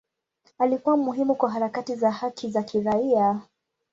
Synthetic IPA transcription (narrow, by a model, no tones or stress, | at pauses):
alikuwamuɦimukwaɦaɾakatizahakʰizakʰiɾaia